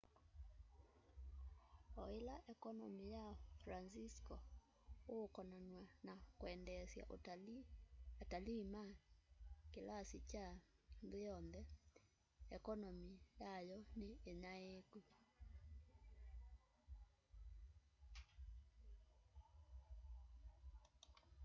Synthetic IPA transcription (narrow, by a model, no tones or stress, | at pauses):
ɔelaʔɛkɔnɔmijafɾansiskɔ | okɔnanwanakwɛndɛsja̰ʔ | atalima | kelasit͡ʃanðejɔnðɛ | ɛkɔnɔmijajɔneːɲaeku